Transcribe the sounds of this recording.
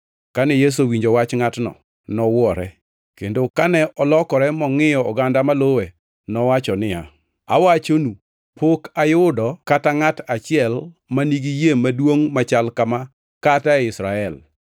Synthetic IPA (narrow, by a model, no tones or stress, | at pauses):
kanɛjes̬owiɲd͡ʒowat͡ʃŋatnɔ̰ | nɔwɔɾɛ̰ | kendokanɛʔɔlɔkɔɾɛmɔŋɪjɔɔɡandamalowe | nɔwat͡ʃɔnɪa̰ | a̰wat͡ʃonu | pokajʊdɔkataŋatat͡ʃɪɛl | maniɡijemadwoŋmat͡ʃalkama | kataɛɪsɾaɛl